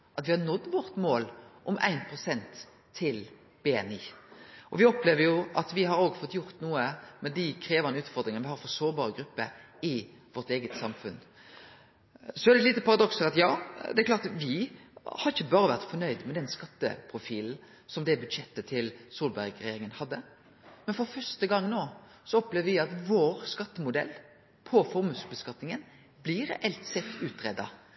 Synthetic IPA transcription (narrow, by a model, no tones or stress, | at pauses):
ʔɑt̪ʋɪhɑɾnɔd̪ːʋɔɾt̪moːlʔɔmʔæ̰ɪnpʰɾʊsɛnt̪ʰː | ɪl | b̥eːɛniːʔɔʋɪɔpleːʋəɾjʊʔɑt̪ʋɪɦɑɾoːɡfɔt̪ːjʊʁt̪nuːəmɛd̪ikʰɾeːʋɑnəʉːt̪fɔɾd̪ɾɪŋənəʋɪhɑːɾfɔɾsoːɾbɑːɾəɡɾʉpːə | ɪ | ʋɔɾt̪eːɡət̪sɑmfʉn | sɔæd̪ɛt̪liːt̪əpʰɑɾɑd̪ɔksəɾɑt̪jɑːd̪ɛklɑːt̪ʋɪhɑɾɪçəbɑːɾəʋæʁt̪fɔnœʏd̪mɛd̪ɛnskɑt̪ːə̰pʰɾʊfiːln̩ | sɔmd̪ɛbʉd̪ʂɛt̪ːət̪ʰɪlsuːlbæɾɡɾɛjeːɾɪŋənhɑd̪ːə | mɛnfɔɾfœst̪əɡɑŋnoː | sɔɔpleːʋəʋɪɑt̪ʋoːɾskɑt̪ːəmʊd̪ɛ̰lː | pʰɔfɔɾmʉːsbəskɑt̪nɪŋən | blɪɾɛ̰ʔɛlt̪sɛt̪ːʉːt̪ɾɛd̪ːɑ